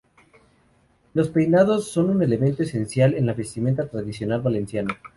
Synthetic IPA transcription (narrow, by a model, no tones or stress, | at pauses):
lo̞spe̞jnaðo̞sːo̞nune̞le̞ment̪o̞ese̞nsjale̞nlaβe̞st̪ime̞nt̪at̪ɾaðisjo̞nalβale̞nsjana